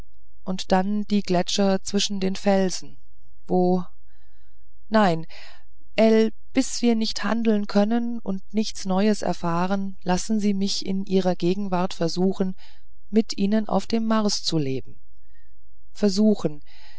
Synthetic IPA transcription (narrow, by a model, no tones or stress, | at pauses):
ʔʊntd̥and̥iːɡlɛt͡ʃɐt͡sv̥ɪʃn̩deːnfɛlzn̩ | voː | naɪn | ʔɛl | b̥ɪsv̥iːɐnɪçtha̰ndl̩nkʰœnən | ʊntnɪçt͡snɔʏəsɛ̰ɐfaːʁən | lasn̩ziːmɪçɪ̰nʔiːʁ̞ɐɡeːɡŋ̩vaɐtfɛɐzuːxn̩ | mɪtʔiːnənʔa̰ʊfd̥eːmːaɐst͡suleːbm̩ | fɛɐzuːxn̩